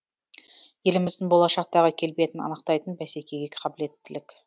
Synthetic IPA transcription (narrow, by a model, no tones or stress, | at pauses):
je̞lɪmɪzd̪ɪŋbo̞lˠɑʃɑq̚t̪ɑʁəkʲʰe̞lbet̪ɪnɑ̰nəq̚t̪ɑjt̪ənbæse̞kʲe̞ɡʲe̞qʰɑbɪle̞t̪ːɪlɪkʲ